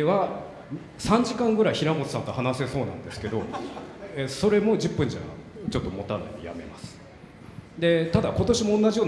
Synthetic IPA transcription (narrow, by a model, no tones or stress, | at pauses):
βa | sãɲ̟d͡ʑikãŋɡɯ̟ɾaiçiɾamot̪o̥sãnt̪ohanase̞so̞ːnã̰nd̪e̞sɨ̥ke̞d̪o̞ | eso̞ɾe̞mo̞d͡ʑɨpːɯ̟̃ɲ̟d͡ʑaa̰t͡ɕo̞t̪ːo̞mo̞t̪ana̰ɲʲḭja̰me̞masɨ̥ | d̪e̞t̪ad̪ako̞t̪o̞ɕimõ̞ːnːaʑijo̞ː